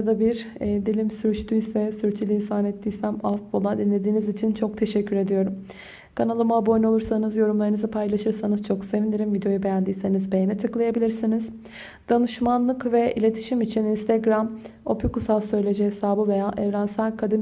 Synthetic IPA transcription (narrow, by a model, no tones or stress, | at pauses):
d̪abiɾd̪ilʲimsyɾt͡ʃt̪ʰyisɛsyɾt͡ʃʰilʲiːnsaːnɛt̪ːiːsæmaft̪folˠad̪inlʲe̞d̪iːnizit͡ʃʰint͡ʃʰo̞k̚t̪ʰe̞ʃɛcʰːyɾe̞d̪ijo̞ɾum | kʰanalˠɯmabo̞jno̞lˠuɾsanɯzjo̞ɾumlˠaɾɯnɯzɯpʰajlˠaʃɯɾsanɯzt͡ʃʰo̞kse̞vinʲiɾimvid̪eo̞jube̞jænd̪iːse̞nizbe̞jenɛt̪ʰɯklˠajabilʲiɾsiniz̥ | d̪̥anɯʃmanlˠɯkvɛḭlʲe̞t̪ʰi̥ʃimit͡ʃʰininst̪ʰeɡɾamo̞pjukusalˠsø̞jlʲe̞d͡ʒɛɦesaːbɯve̞jaːʔɛvɾænsælʲkʰad̪in